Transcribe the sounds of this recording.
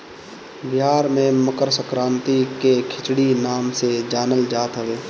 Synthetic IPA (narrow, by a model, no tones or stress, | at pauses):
bɪɦaːɾmẽməkəɾsəkɾãːnt̪ikekʰɪt͡ʃɽinaːmsed͡ʒaːnəld͡ʒaːt̪ɦəʋeː